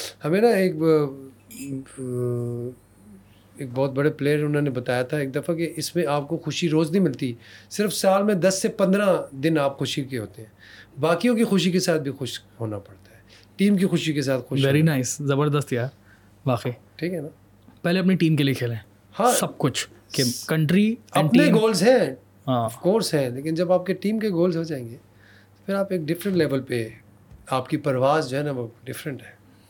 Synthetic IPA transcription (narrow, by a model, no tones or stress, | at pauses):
hɐmẽnaeːk | eːk̚bɔːt̪̚bɐɽepleːəɾʊnɦõnebɐt̪aːjat̪ʰaeːk̚d̪ɐfakeʔɪsmẽaːp̚koxʊʃiɾoːznɦĩmɪlt̪isɪɾfsaːlmẽd̪ɐsːepɐ̃nd̪ɾãd̪ɪnaːpxʊʃikeɦoːt̪eɦɛ̃ːbaːkijõkixʊʃ̬ikesaːt̪̚ʰbʱixʊʃɦoːnapɐɽt̪aɦɛː | ʈiːmkixʊʃikes̬aːt̪xʊːʃʋɛːɾinaːɪszɐbəɾd̪əst̪jaːɾ | ʋaːqeʈʰiːkɦɛnaː | pɛɦleɐpniʈiːmkeliekʰeːlẽː | hãːsɐb̚kʊt͡ʃʰ | kekɐ̃ɳʈɾiɐ̃ɳɖpinẽɡoːlzɦɛ̃ | ɦãːɔfkoːɾsɦɛ̃leːkɪnd͡ʒɐbaːp̚keʈiːmkeɡoːlzɦod͡ʒaːẽːŋɡeː | t̪o̥pʰɪɾaːpeːk̚ɖɪfɾə̃ɳʈlɛːʋəlpe | aːpkipɐɾʋaːzd͡ʒoɦɛnaʋoɖɪfɾə̃ɳʈɦɛː